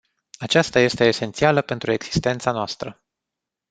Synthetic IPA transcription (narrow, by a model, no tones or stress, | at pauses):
at͡ʃast̪aje̞st̪e̞ːse̞nt̪sialəpe̞nt̪ɾue̞ɡz̥i̥st̪e̞nt̪sanoast̪ɾə